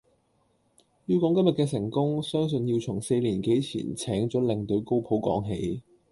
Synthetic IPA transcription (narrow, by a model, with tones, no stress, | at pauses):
jyː˧kɔː˨˥ŋkɐ˥mjɐ˨t̚kɛː˧sɪ˨˩ŋkʊ˥ŋsœː˥ŋs̬ɵ˧njiː˧wt͡sʰʊ˨˩ŋse˧jliː˨˩nke˨˥jt͡sʰḭː˨˩nt͡sʰɛː˨˥ŋt͡sɔː˨˥lɪ˨ŋt̪ɵ˧ɥko˥wpʰo˨˥wkɔ̰ː˨˥ŋɦḛ˨˧˥j